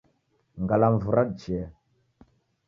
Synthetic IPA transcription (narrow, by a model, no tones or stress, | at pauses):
ŋɡalamvuɾaɗt͡ʃe